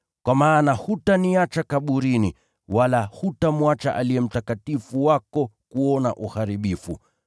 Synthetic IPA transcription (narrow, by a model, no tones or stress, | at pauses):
kwamaːnahutaniat͡ʃakaɓuɾini | walahutamwat͡ʃa̰ʔaliɛm̩takatifuwakɔkuɔna̰ʔuhaɾiɓifṵ